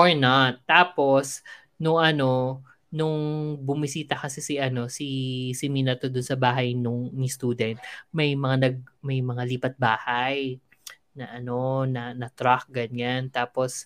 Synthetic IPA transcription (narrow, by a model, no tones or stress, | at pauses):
ʔoɹnat̪ːaːpo̞s | nʊŋʔɐno̞ | nʊŋbʊmisiːt̪ɐkɐsɛsɪʔɐno̞sisɪminɐt̪od̪ʊnsɐbaːɦɐjnʊŋnist̪uːd̪ɛnt̪̚mɐjmɐŋanɐɡ̚mɐjmɐŋaliːpɐt̪̚baːhaj | nɐʔɐno̞nɐnɐt̪ɾak̚ɡɐɲant̪aːpo̞s